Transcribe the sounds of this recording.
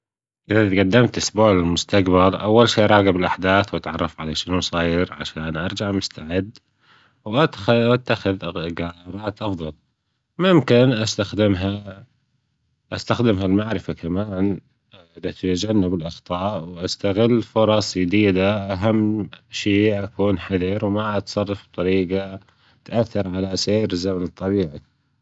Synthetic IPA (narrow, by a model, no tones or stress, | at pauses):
ʔɪðat̪ɡad̪ːɪmt̪ʔʊsbuːʕlɪlmʊst̪aqbalʔawːalʃiːʔɾˤɑːɡɪbɪlʔaħd̪aːθwʔat̪ʕɑrˤːɑfʕalaʃɪnusˤɑːjɪɾʕa̰ʃaːnʔɑɾˤd͡ʒaʕmʊst̪aʕɪd̪ː | wʔat̪at̪ːaxɪðɡɑɾˤɑːt̪ʔɑfðˤɑl | mʊmkɪnʔast̪axd̪ɪmɦa | ʔast̪axd̪ɪmɦalmaʕɾɪfakamaːn | ʔðat̪at̪ad͡ʒanːabɪlʔɑxt̪ˤɑːʔwʔast̪aɣɪlːfʊɾˤɑsˤd͡ʒɪd̪iːd̪aʔaɦamːʃiːʔakuːnħaðiɾwmaʔat̪sˤɑrˤːɑfb̚t̪ˤɑɾiːɡa | t̪ʔaθːɪɾʕalaseːɾzamanɨt̪ˤːɑbiːʕa